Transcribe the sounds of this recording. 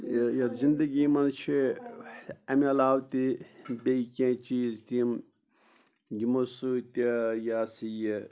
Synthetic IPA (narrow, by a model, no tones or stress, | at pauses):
jɐt̪zind̪ɐɡiːmɐnt͡ʃʰi | ɐmɐlaːwt̪ibeikʲẽːt͡ʃiːzt̪im | ɡimosut̪ijaːsiji